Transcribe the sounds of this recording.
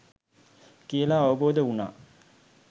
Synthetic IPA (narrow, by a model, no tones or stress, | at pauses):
kijəlaːɐʋəboːd̪əuna̰ː